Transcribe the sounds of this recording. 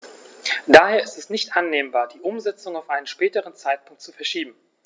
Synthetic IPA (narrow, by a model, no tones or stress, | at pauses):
d̥aːheːɐɪstɛsnɪçtʔanːeːmbaːɐdiːʔʊmzɛt͡sʊŋaʊfʔaɪnənʃpɛːtəʁənt͡saɪt̚pʰʊŋk̚tt͡sufɛɐʃiːbm̩